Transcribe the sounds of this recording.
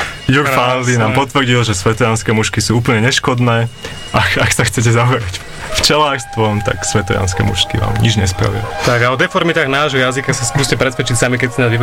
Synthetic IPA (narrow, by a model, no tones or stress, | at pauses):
juɾfand̪inaːmpɔt̪ʋr̩ɟilʒɛsʋɛt̪ɔjanskɛːmuʃkisuːuːpl̩ɲɛɲɛʃkɔd̪nɛː | ʔakakxsaxt͡sɛc̬ɛzaɦɔɾac | ft͡ʃɛlaːrst̪ʋɔmt̪a̰ksʋɛt̪ɔja̰nskɛ̰ːmṵʃkiʋa̰ːmɲid͡ʒɲɛspɾa̰ʋḭlt̪aɡaɔd̪ɛfɔɾmit̪aɣnaːʒɦɔjazikasaskuːscɛpɾɛsʋɛt͡ʃicsamik̬ɛcsɛnazʋiʋ